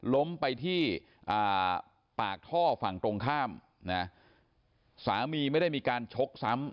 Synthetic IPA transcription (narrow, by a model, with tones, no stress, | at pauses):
lo˦˥mpa˧jt̪ʰiː˥˩ | ʔaː˨˩ | paː˨˩k̚t̪ʰɔː˥˩fa˨˩ŋt̪ɾo˧ŋkʰaː˥˩m | na˦˥ | saː˩˦miː˧ma˥˩jda˥˩jmiː˧kaː˧nt͡ɕʰo˦˥k̚sa˦˥m